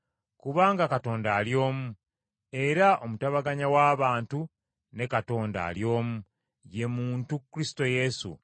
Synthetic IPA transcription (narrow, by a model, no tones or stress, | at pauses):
kuβaːŋɡakato̞ːndaːljo̞ːmu | e̞ɾaʔo̞mutaβaɡaɲawaːβaːntu | ne̞kato̞ːnda̰ːljo̞ːmu | je̞muːntukɾisi̥to̞je̞sṵ